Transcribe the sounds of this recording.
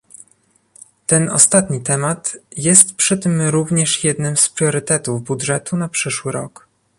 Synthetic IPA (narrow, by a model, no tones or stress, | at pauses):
t̪ɛnɔ̰st̪at̪ɲit̪ɛmat̪jɛst̪pʂɘt̪ɘmɾuvɲɛʂjɛd̪nɘmspɾʲjɔɾɘt̪ɛt̪uvbudʐɛt̪unapʂɘʂwɘɾɔk